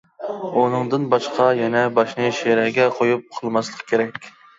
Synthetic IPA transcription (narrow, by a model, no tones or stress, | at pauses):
unɨŋd̪ɨnbɑʃqʰɑjɛnɛbɑʃnɨʃeɾɛɡʲɛqʰojup̚qʰəlˠmɑslˠəqʰkʲʰeɾɛkʲ